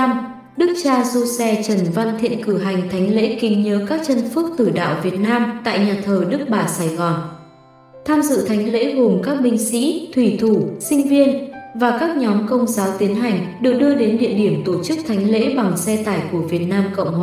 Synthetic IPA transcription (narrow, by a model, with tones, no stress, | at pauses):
m | ɗɨ˦˥k̚t͡ɕaː˧zo˧sɛ˧t͡ɕə˧˩nva˧nt̪ʰḭ˧˨ənkɨ˧˩ɦa˨˩jŋ̟t̪ʰa˨˦jŋ̟lḛ˧˥kï˨˦ŋɲəː˨˦kaː˦˥k̚t͡ɕə˧nfɨ˦˥k̚t̪ɨ˧˩ɗa̰ː˧˨wvi˨˩ət̚naː˧mt̪a̰ː˧˨jɲaː˨˩t̪ʰəː˨˩ɗɨ˦˥k̚ɓaː˧˩saː˧˩jɣɔ˨˩n | t̪ʰaː˧mzɨ̰˧˨t̪ʰa˨˦jŋ̟lḛ˧˥ɦo˨˩mkaː˦˥k̚ɓï˧ŋ̟sḭ˧˥t̪ʰwi˧˩t̪ʰu˧˩sï˧ŋ̟vi˧ənvaː˨˩kaː˦˥k̚ɲɔ˨˦mkə˧wŋ͡mzaː˨˦wt̪i˨˦ənɦa˨˩jŋ̟ɗɨ˨˩ək̚ɗɨ˧əɗe˨˦nɗḭ˧˨əɗi˧˩əmt̪o˧˩t͡ɕɨ˦˥k̚t̪ʰa˨˦jŋ̟lḛ˧˥ɓa˨˩ŋsɛ˧t̪aː˧˩jku˧˩əvi˨˩ət̚naː˧mkə̰˧˨wŋ͡mh